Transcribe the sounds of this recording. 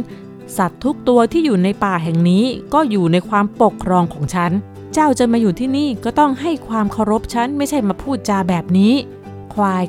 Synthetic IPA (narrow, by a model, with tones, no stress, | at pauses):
sa˨˩t̪ʰːu˦˥k̚t̪u˧ɐt̪ʰiː˥˩juː˨˩na˧jpaː˨˩ɦɛ˨˩ŋniː˦˥kɔː˥˩juː˨˩na˧jkʰwaː˧mpo˨˩kʰːɾɔː˧ŋkʰɔː˩˦ŋt͡ɕʰa˦˥n | t͡ɕa˥˩wt͡ɕa˧maː˧juː˨˩t̪ʰiː˥˩niː˥˩kɔː˥˩t̪ɔ˥˩ŋɦa˥˩jkʰwaː˧mkʰa˧˥˩wɾo˦˥p̚t͡ɕʰa˦˥nma˥˩jt͡ɕʰa˥˩jmaː˧pʰuː˥˩t̪̚t͡ɕaː˧bɛː˨˩p̚niː˦˥ | kʰwaː˧j